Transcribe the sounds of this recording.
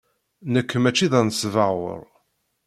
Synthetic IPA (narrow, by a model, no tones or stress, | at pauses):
nəkːəmæt͡ʃːiðɑnsvəwə̰ɾˤ